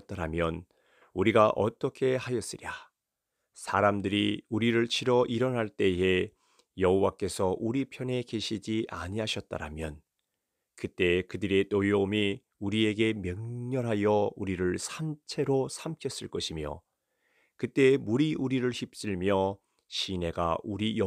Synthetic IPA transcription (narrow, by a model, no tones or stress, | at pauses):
t̚t͈aɾamjʌn | uɾiɡaʔʌt͈ʌkʰe̞hajʌs͈ɯɾja | sʰaɾamdɯɾiuɾiɾɯɭt͡ɕʰiɾʌʔiɾʌnɦaɭt͈e̞e̞ | jʌɦowak͈e̞sʰʌʔuɾipʰjʌne̞ke̞ɕʰid͡ʑiʔa̰ɲiɦaɕʰʌt̚t͈a̰ɾa̰mjʌ̰n | kɯt͈e̞kɯdɯɾe̞t͈ojoomi | uɾie̞ɡe̞mjʌŋɲʌɾɦajʌuɾiɾɯɭsʰant͡ɕʰe̞ɾosʰamkʰjʌs͈ɯɭk͈ʌɕʰimjʌ̰ | kɯt͈e̞muɾiʔuɾiɾɯɭɕip̚s͈iɭmjʌ | ɕʰine̞ɡa̰uɾij